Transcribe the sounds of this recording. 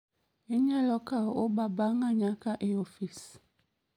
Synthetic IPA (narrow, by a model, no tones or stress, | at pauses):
eɲãlɔkaobabaŋãɲãkaʔeofis